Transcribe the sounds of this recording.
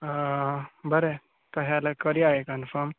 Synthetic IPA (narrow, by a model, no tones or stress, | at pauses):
bəɾe | t̪əɦalakəɾiaɦekənfəɾm